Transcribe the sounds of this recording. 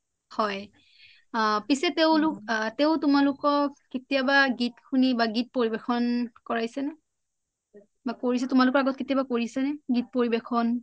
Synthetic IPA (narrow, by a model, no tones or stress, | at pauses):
hɔj | pisɛteʊ̃lʊkteʊtʊmalʊkɔketijabaɡitkʰunibaɡit̚poɹibexɔnkɔɹajsɛnɛ | bakoɹis̬ɛtʊmalʊkɔɹaɡɔt̚ketijabakoɹisɛnɛɡit̚poɹibexɔn